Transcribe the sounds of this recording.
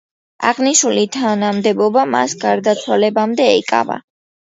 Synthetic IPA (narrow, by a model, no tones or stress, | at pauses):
a̰ʁniʃulit̪ʰanamd̪ɛbɔbama̰sɡaɾd̪at̪sʰwalɛbamd̪ɛikʼa̰va̰